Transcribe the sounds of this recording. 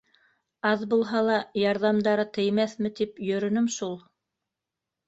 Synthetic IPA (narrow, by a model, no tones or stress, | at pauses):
ɑðbulˠɦɑlˠɑjɑɾðɑmd̪ɑɾɤt̪ɘ̆jmæθmɘt̪ipjɵ̆ɾɵ̆nɵmʃulˠ